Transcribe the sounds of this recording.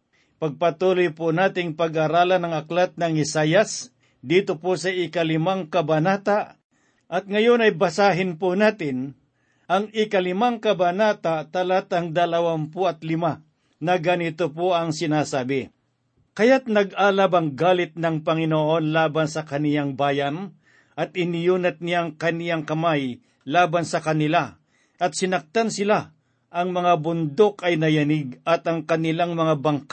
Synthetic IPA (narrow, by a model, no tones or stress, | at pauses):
pɐɡ̚pɐt̪uːlojpʊnaːt̪ɪŋpɐɡaɾaːlɐnɐŋɐklat̪̚nɐŋɪsaːjas | d̪iːt̪oposɐɪkalɪmaŋkɐbɐnaːt̪a | ʔɐt̪̚ŋɐjonɐjbɐsaːɦɪnpʊnaːt̪ɪn | ʔɐŋɪkalɪmaŋkɐbanaːt̪at̪ɐlat̪ɐŋd̪ɐlɐwanpʊɐt̪lɪma | nɐɡɐnɪt̪opoɐŋsɪnaːsaːbɪ | kɐjat̪̚nɐɡaːlabɐŋɡaːlɪt̪̚nɐŋpɐŋɪnoʔo̞nlaːbansɐkɐnɪjaŋbaːjan | ʔɐt̪̚ɪnɪjuːnɐt̪̚nɪjaŋkɐnɪjaŋkɐmaj | laːbansɐkɐnɪla | ʔɐt̪̚sɪnɐk̚t̪ansɪla | ʔɐŋmɐŋabʊnd̪okɐjnɐjɐnɪɡ̚ɐt̪ɐŋkɐnɪlaŋmɐŋabɐŋka